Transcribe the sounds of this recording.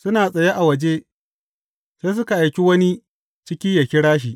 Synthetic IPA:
sʊ˦naː˨sʼɐ˨je˦ʔa˨wɐ˨d͡ʒe˦ | seː˦s̬ʊ˦ka˨ʔa˨jkʲi˦wɐ˦ni˦ | t͡ʃɪ˦kʲɪ˦jɐ˨kʲɪ˦ɽaː˦ʃ̬iː˨ʔ

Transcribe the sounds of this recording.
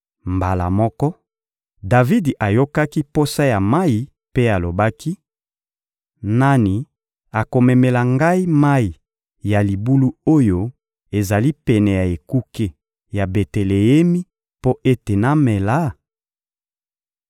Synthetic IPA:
mba˨la̰˨mɔ˦kɔ˦ | da˨vi˦di˨ʔa˨jo˦ka˦ki˦po˦sa˦ja˨ma˦i˨ | pe˦a˨lo˨ba˦ki˦ | na˦ni˨ | a˨ko˨mɛ˨mɛ˨la˨ŋɡa˦i˦ma˦i˨ | ja˨li˨bu˦lu˦o˦jo˦ | e˨za˨li˦pɛ˨nɛ˨ja˨e˨ku˦ke˦ | ja˨be˨te˨le˨je˦mi˦ | po˦ʔe˦te˨na˦mɛ˨la˦

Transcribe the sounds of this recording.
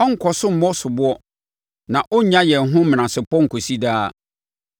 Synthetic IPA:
ɔ˦ŋ̩˨kʰɔ˨sʊ˦m̩˨mɔ˦sʊ˨bʊ˦ɔ˦ | nã˨ʔɔ˦ɲã˦jɛ˨n˨ɦʊ̃˦m̃˨nã˨sɪ˨pɔ̃˦ŋ̩˨kʰo˨si˦daː˦

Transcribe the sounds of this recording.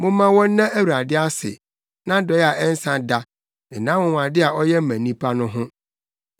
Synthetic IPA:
mʊ̃˦mã˦wɔ̃˦nː˦ã˦ʔæ˦wa˨dɪ˦a˦sɪ̰˨ | nã˦dɔ˨˦jɛ˦a˨ʔɛ˦n̩˦sã˦da˦ | n̩˨nã˦mʊ̃˨wã˨dɪ˦a˨ʔɔ˦jɛ˦m̩˦mæ̃˨nĩ˦pʰa˦nʊ̃˦ɦʊ̃˦

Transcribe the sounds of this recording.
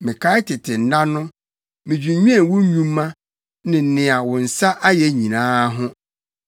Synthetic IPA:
mɪ̃˨kʰa˦ɪ˦tʰɪ˨tʰɪ˨n̩˨˦nã˦nʊ̃˦ | mɪ̃˨d͡ʑᶣi˨ɲũ˦ɛ̃˦˨wʊ̃˦ɲũ˦mː˦ã˦ | nɪ̃˨n̩˨nɪ̃˨a˨wʊ̃˨n̩˨sa˦ʔa˦jɛ˨ɲĩ˨nãː˦ɦʊ̃˦

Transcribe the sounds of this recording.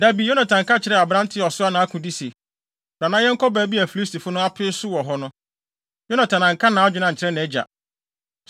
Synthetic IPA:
da˦bi˨jo˦nã˨tʰã˨ŋ̩˨kʰa˦t͡ɕʰɪ˨ɾɛ˦a˨bɾã˦n˦tʰɪ˦˨ɔ˨sʊ˦a˦nã˨a˦kʰũ˨di˦se˨ | bɾã˨nã˦jɛ˦ŋ̩˦kʰɔ˦bæː˨˦bi˦æ˨fi˨li˦sti˨fʊ˦nʊ̃˦a˦pʰɪ˦sʊ˦wɔ˨ɦɔ˦nʊ̃˦ | jo˦nã˨tʰã˨nã˨ŋ̩˨kʰa˦nã˨a˦d͡ʑᶣʊ˨nã˨ɲ̩˨t͡ɕʰɪ˨ɾɛ˦nã˨ɛ˦d͡ʑa̰˨

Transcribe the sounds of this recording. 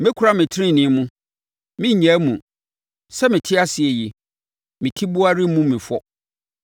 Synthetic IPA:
mɪ̃˦kʰʊ˨ɾa˦mɪ̃˨tʰɪ˦ɪ̃˦˨nɪ̃˨˦mũ˦ | mɪ̃˦˨ɲæ̃˨˦mũ˨ | sɛ˦mɪ̃˨tʰɪ˦a˦sɪ˨ɛ˨ji˨ | mɪ̃˨tʰi˦bʊ˦a˦ɾɪ˦mũ˦mɪ̃˨fɔ˦

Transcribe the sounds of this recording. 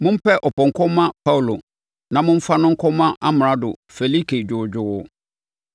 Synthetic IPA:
mʊ̃˦m̩˦pʰɛ˦ʔɔ˨pɔ̃˨ŋ̩˨kʰɔ̃˦mã˦pʰa˦u˨lo˨ | nã˨mʊ̃˦m̩˦fa˦nʊ̃˦ŋ̩˦kʰɔ˦mã˦ʔa˦mɪ̃˨ɾa˦dʊ̰˨fe˨li˦kʰe˨d͡ʑᶣʊ˨d͡ʑᶣʊ˨wʊ˨

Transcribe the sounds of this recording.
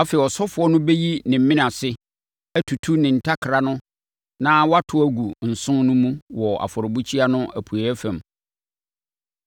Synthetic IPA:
a˦fɛ˨ɪ˨ɔ˨sɔ˦fʊ˨˦ɔ˦nʊ̃˦be˦ji˦nɪ̃˨m̩˦mĩ˦nã˨sɪ˦ | æ˦tʰu˨tʰu˦nɪ̃˨n̩˨tʰa˦kʰɾa˦nʊ̃˦ | nãː˦wɔ˦a˦tʰʊ˦æ˦ɡu˨n̩˨sʊ̃˦nnʊ̃˦mũ˦wɔ˨ʔa̰˨fɔ˨ɾɪ˨bu˦t͡ɕʰi˦a˦nʊ̃˦ʔæ˨pʰu˨æ˨˦fæ̃˨m

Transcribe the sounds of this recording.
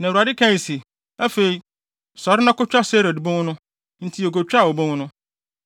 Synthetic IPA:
nã˨a˨dɪ˦kʰã˦˨si˨ | a˦fe˨i˦ | sɔ˨ɾɪ˦nã˦kʊ˦t͡ɕᶣa˦se˦ɾe˨dbõ˦ŋ˦nʊ̃˦ | n̩˦tʰi˦o˨k̬o˨t͡ɕᶣa˦˨wo˨bõ˦ŋ˦nʊ̃˦

